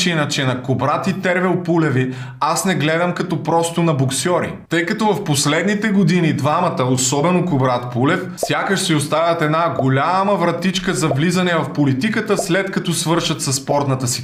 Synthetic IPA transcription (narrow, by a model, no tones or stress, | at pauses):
t͡ʃinɐt͡ʃɛnɐkobɾat̪it̪ɛɾvɛlˠpulɛvi | asnɛɡlɛd̪ɐmkɐt̪ɔpɾɔst̪ʊnɐboksɔɾḭt̪ɤjkɐt̪ɔvɐfposlɛd̪nit̪ɛɡod̪inid̪vamɐt̪əosɔbɛnokobɾat̪pulɛfsʲjakəʃsiost̪avʲɐt̪ɛd̪naɡolʲamɐvɾɐt̪it͡ʃkəzɐvlizɐnɛvɐfpolit̪ikət̪əslɛt̪kɐt̪ɔsvɤɾʃɐt̪sɐsːpɔɾt̪nɐt̪əsi̥